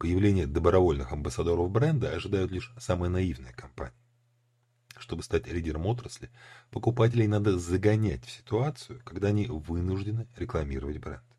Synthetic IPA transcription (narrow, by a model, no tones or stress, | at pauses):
pəjɪvlʲenʲɪjəd̪əbɾɐvo̞lʲnɨxɐmbəsɐd̪o̞ɾəfbɾɛnd̪əɐʐɨd̪ajʊt̪lʲiʂsamɨjənɐivnəjəkɐmpa̰nʲɪjə | ʂt̪o̞bɨst̪atʲlʲidʲɪɾəmo̞t̪ɾəsʲlʲɪpəkʊpatʲɪlʲɪjnad̪əzəɡɐnʲætʲfsʲɪ̥t̪ʊat̪sɨjʊkɐɡd̪aɐnʲivɨnʊʐdʲɪnɨɾʲɪklˠɐmʲiɾəvətʲbɾɛ̰nd̪